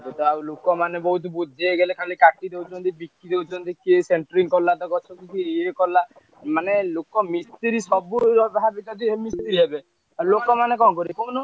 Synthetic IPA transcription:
et̪ɔawlokɔmanebɔɦut̪ɔbud̪ʱeɡelekʰalikaʈid̪ewt͡ʃʰɔnt̪ibikːid̪ewt͡ʃʰɔnt̪ikieseɳʈɔɾiŋkɔlːat̪ɔkɔt͡ʃʰɔkikieekɔla | manelokɔmist̪iɾisɔbuɾɔbɦabit̪ɔt̪imist̪iɾiɦebe | alokɔmanekɔ̃kɔɾikɔnɔ

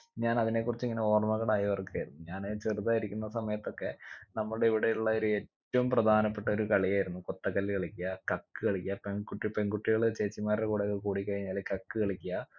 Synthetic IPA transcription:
ɲaːnɐðine̞kːurit͡ɕːiŋːɐne̞o̞ːrmɐɣɐɭaːjɐʋɐrkːeːjɾunːuɲaːnet͡ɕeruðaːjiɾikʲːunːɐsɐmɐjɐt̪ːo̞kːe̞nɐmːɐɭeiʋiɽeuɭːɐoɾueːtːɐʋumprɐd̪ʱaːnɐpːeʈːɐo̞ɾukɐɭijaːjiɾunːuko̞t̪ːɐkːɐlːkeɭikʲːijɐkɐkːɨkeɭikʲːijɐpenkuʈːipeŋɡuʈːiɣɐɭt͡ɕe̞ːt͡ɕːimaːrɽekuːɽɐkːɐkuːɽikːɐɻiɲːaːlkɐkːɨkeɭikʲːijɐ

